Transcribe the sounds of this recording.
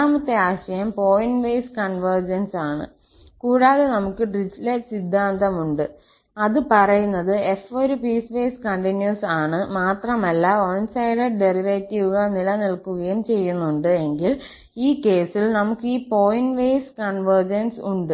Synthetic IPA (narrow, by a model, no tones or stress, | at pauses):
aːmɐt̪ːe̞aːɕɐjɐmpo̞ːjinʋejskɐɳʋɐrd͡ʑɐnsaːɳɨ̰ | kuːɻaːðenɐmukːɨɖrid͡ʑilesid̪ʱːaːnd̪ɐmuɳɖɨ | ɐðɨpɐrɐjunːɐðɨefoɾupiːsʋeːskɐɳʈinjusaːɳɨmaːt̪rɐmɐlːɐonsɐjɖɐɖe̞riʋetːiʋuɣɐnilɐnilkuɣɐjumt͡ɕe̞jːunːuɳɖɨe̞ŋɡil | iːke̞ːsilnɐmukːɨiːpo̞ːjinʋejskɐɳʋɐrd͡ʑɐnsuɳɖɨ